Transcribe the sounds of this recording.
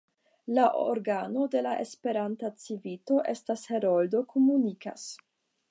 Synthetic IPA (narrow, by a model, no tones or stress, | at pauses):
laʔo̰ɾɡano̞de̞laʔe̞spe̞ɾantat͡sivito̞ʔe̞stashe̞ɾo̞ldo̞kʰomunika̰s